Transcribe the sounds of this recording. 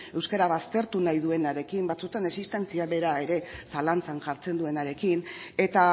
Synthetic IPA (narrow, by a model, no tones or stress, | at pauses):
e̞wskeɾaβ̞ast̪e̞ɾt̪unajð̞ue̞naɾe̞kimbat͡sut̪ane̞sist̪e̞nt͡siaβe̞ɾae̞ɾe̞salant͡saŋʝaɾt͡se̞nd̪ue̞naɾe̞kine̞t̪a